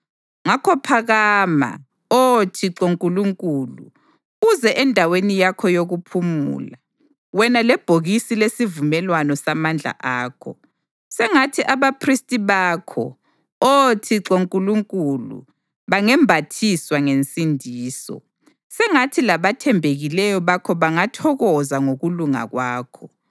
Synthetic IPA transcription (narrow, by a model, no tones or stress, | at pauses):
ŋakʰɔpʰaɣama̰ | otʰiǁoŋkʼuluŋkʼulṵ | uzɛʔɛndʱawenijakʰɔjoɣupʰumṵːla | wɛnalɛb̥ʱoɣisilesivumɛlwanɔsamand͡ɮʱa̰ʔaːkʰɔ | sɛŋatʰiʔaβapʰristʼiβakʰɔ̰ | otʰiǁoŋkʼuluŋkʼulṵ | βaŋɛmbʱatʰiswaŋent͡sʼindʱiːsɔ̰ | sɛŋatʰilaβatʰɛmbʱeɣilɛjɔβakʰɔβaŋatʰɔɣɔzaŋoɣuluŋa̰ɣwaːkʰɔ